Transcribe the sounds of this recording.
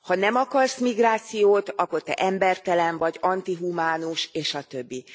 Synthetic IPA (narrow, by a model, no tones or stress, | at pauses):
hɒnɛmɒkɒrsmiɡraːt̪sijoːt̪ɒkːo̞rt̪ɛ̰ʔɛmbɛrt̪ɛlɛnvɒɟɒnt̪iɦumaːnuʃeːʃɒt̪ø̞bːi